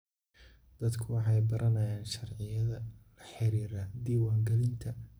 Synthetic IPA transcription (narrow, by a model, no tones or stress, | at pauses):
d̪̥ɐd̪kʰʊwɑħɑjbɐɾʔɐnɐjaːnʃɐrʕɪjɐðɐlɐħɪɾiːɾɐd̪iːwɑːŋɡɐlɪnt̪ʰɐ